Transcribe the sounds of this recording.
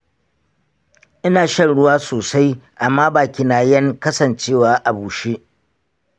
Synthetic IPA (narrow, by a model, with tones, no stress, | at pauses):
ʔɪ˦naː˨ʃɐ˦˨nɽʊ˦waː˦soː˨sa˦jʔa˨mːaː˦baː˨kʲɪ˨naː˨jɐ˦ŋkɐ˦sɐ˨nt͡ʃeː˦˨waː˦ʔa˨buː˨ʃe˦